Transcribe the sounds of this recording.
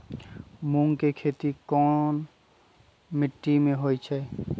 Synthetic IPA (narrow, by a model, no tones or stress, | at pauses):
muŋkekʰet̪ikɔn | miʈːimeɦojt͡ʃʰɛ